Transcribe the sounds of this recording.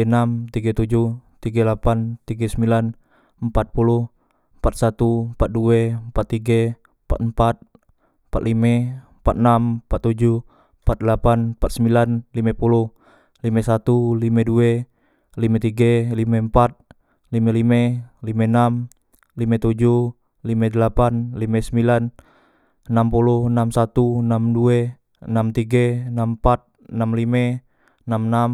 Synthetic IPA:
namt̪iɡat̪ud͡ʒuht̪iɡalapant̪iɡasəmbilan | əmpat̪̚puluh | əmpat̪̚sat̪umpat̪̚duempat̪ːiɡa | mpa̰t̪əmpat̪̚ | mpat̪limɛmpat̪̚nampat̪ːud͡ʒu | pat̪̚lapanpat̪̚səmbilanlimepuluh | limesat̪ulimɛdue | limet̪iɡalimɛmpat̪̚ | limelimɛlimenam | limet̪ud͡ʒu | limedəlapanlimɛsəmbilan | ənampuluhənamsat̪unamdue | ənamt̪iɡenampat̪̚ | namlimɛ | namnam

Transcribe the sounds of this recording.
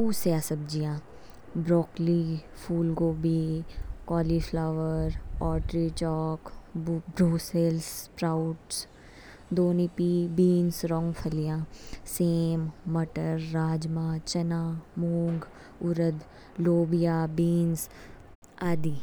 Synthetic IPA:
uːsjaːsəb̚d͡ʒijãː | bɾɔːkli | fʰuːlɡoːbikɔːlifʰlaːʋəɾɔːʈɾit͡ʃɔːkbɾuːselspɾaːʊʈs | d̪oːnipibiːnsɾɔ̃ːŋɡpʰɐlijãːseːmːɐʈəɾːaːd͡ʒmãːt͡ʃɐnaːmoːŋɡ | ʊɾəd̪ | loːbijaːbiːns | aːd̪iː

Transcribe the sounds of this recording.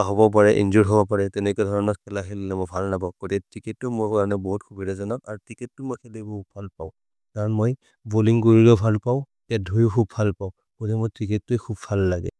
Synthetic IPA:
aɦɔbɔp̬aɹɛʔḭnzuɹɦɔbɔpaɹɛtɛnɛkɔɛdʱɔɹɔnɔtkɛlaɦillɛmɔbʱalnabɔkotɛtɹiketːʊmʊɹkaɹɔnɛbɔɦutkʰubʱidɔzanaaɹutiketːʊmojkʰɛlɛbɔɦut̚bʱalpaʊ̃ | kaɹɔnmoj | boliŋkoɹilɔbʱalpaʊ̃ | tɛt̚dʱojʊkʰubʱalpaʊ̃ | kotɛmʊtɹikitːuɛkʰubbʰʱalːaɡɛ̰

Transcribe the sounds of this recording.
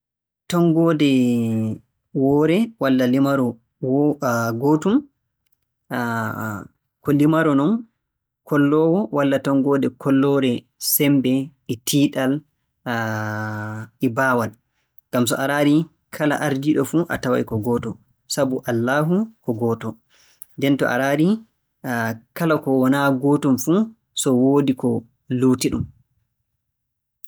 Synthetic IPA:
tɔŋɡɔːdɛ | wɔːɾɛwalːalimaɾɔ | wɡoːtum | kɔlimaɾɔnɔn | kʰɔlːɔwɔwalːatɔŋɡɔːdɛkʰɔlːɔɾɛ | sɛmbɛɛtʰiːɗal | ɛbaːwal | ŋɡ̥ams̬ɔ̰ʔaɾaːɾi | kʰala̰ʔaɾdiɗɔfuʔa̰tawa̰jkɔɡɔːtɔ | sabuʔalːaːɦukɔɡɔːtɔ | ndɛntɔ̰ʔa̰ɾaɾi | kalakɔwɔnaɡɔːtɔmfu | sɔwoːdikɔ | luːtiɗum

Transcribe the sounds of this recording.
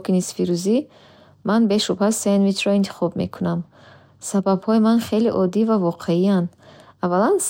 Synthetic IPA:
kinisfiɾuzi | manbeʃupʰasːenmit̪ʰɾɔint̪ʰi̥χɔb̚me̞̰kʰunam | sababhɔimanχe̞liʔɔd̪ivavɔqʰeiand̪avalans

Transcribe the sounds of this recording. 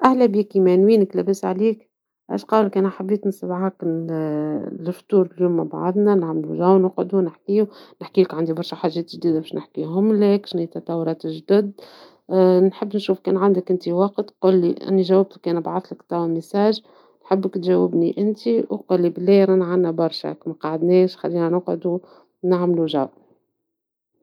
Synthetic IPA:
ʔæhlæbiːkimænwiːnəklæbəsʕaliːk | ʔæ̰ːʃqɑːwlkæːnaħabːiːt̪nsɑlʕak | lɪft̪uːɾɪljuːmːaba̰ʕðˤnænaʕmluʒæwnʊqʕd̪unɪħkiːunɪħkiːlɪkʕand̪ibɑɾˤʃaħaːʒːɛːt̪ʒd̪iːd̪abɛːʃnɪħkiːɦʊmlɛːkʃnit̪ɑt̪ˤɑwːɾˤɑːt̪ʒd̪ʊd̪ | nħəbːnʃuːfkɛːnʕand̪əkʔɪnt̪iwɑqt̪quːlːiʔɪ̰nːiʒæwːɪb̚t̪kɛːnəbʕat̪ˤlɪkt̪ɑwmɪsæːʒ | nħəbːəkt̪ʒæwːɪbniʔɪnt̪iwquːlːiblːɛːjɾanʕanːæbɑɾˤʃæ̰kmæqɑʕəd̪nɛːʃxa̰lːiːnænʊqʕʊd̪u | naʕmluʒa̰w

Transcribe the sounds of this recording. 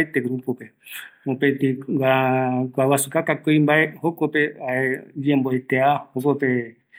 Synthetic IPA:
et̪eɡɾupopeopet̪iwakwawasukakakojmbaehokopeaed͡ʒẽmboet̪eahokope

